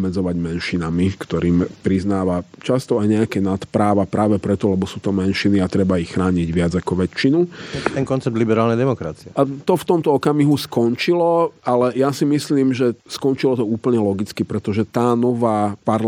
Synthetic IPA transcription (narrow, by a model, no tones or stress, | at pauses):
mɛd͡zɔʋaɟmɛnʃinamikt̪ɔɾiːmpɾiznaːʋat͡ʃast̪ɔajɲɛakɛnat̪pɾaːʋapɾaːʋɛpɾɛt̪ɔlɛbɔsuːt̪ɔmɛnʃiniat̪ɾɛbaixxɾaːɲiɟʋɪad͡zakɔʋɛt͡ʃinuɛŋkɔnt͡sɛb̚d̪libɛɾaːlnɛjd̪ɛmɔkɾat͡siɛat̪ɔft̪ɔmt̪ɔɔkamiɦuskɔnt͡ʃilɔalɛjasimisliːmʒɛskɔnt͡ʃilɔt̪ɔuːpl̩ɲɛlɔɡit͡skipɾɛt̪ɔʒɛt̪aːnɔʋaːpaɾ